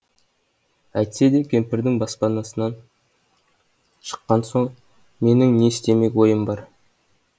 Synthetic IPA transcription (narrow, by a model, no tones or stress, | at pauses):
æjt̪se̞d̪e̞kʲʰe̞mpɪɾd̪ɪŋbɑspɑnɑsənɑn | ʃə̥qːɑnso̞ɴ | me̞nɪŋne̞ɪst̪e̞me̞kʲwo̞jəmbɑɾ